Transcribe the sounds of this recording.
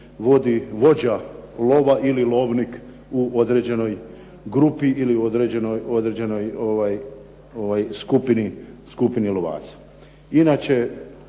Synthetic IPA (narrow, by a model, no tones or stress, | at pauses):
ʋo̞d̪iʋo̞d͡ʑalo̞ʋaʔililˠo̞ːʋnik | uʔo̞d̪ɾe̞d͡ʑe̞no̞j | ɡɾupiiliuod̪ɾed͡ʑenojo̞d̪ɾed͡ʑe̞no̞joʋaj | oʋajskupiniskupinilo̞ʋa̰ːt̪sḁ | inaːt͡ɕe̞